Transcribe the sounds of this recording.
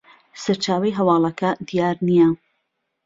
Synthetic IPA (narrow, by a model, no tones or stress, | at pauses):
sɐɾt͡ʃaːwɐjɦɐwɑːlˠɐkʰɐd̪ijaːɾnijɐ